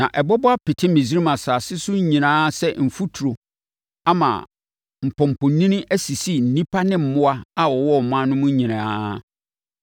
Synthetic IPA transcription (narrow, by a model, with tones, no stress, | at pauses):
nã˨ʔɛ˨bɔ˦bɔ˦a˦pɪ˨tʰɪ˦mẽ˨zi˦ɾi˦mã˨saː˨sɪ˦sʊ˦ɲ˦ɲĩ˨nãː˦sɛ˦m̩˨fu˦tʰu˨ɾo˨ | a˦mã̰ː˨ | m̩˨pʰɔ̃˨m̩˨pʰɔ̃˨˦nĩ˦nɪ̃˦ʔæ˦si˨si˦n̩˨nĩ˦pʰa˦nɪ̃˦m̩˨mʊ̃˦a˦a˦wɔ˨wɔ˦˨mã˦nʊ̃˦mʊ̃˦ɲ˦ɲĩ˨nã˦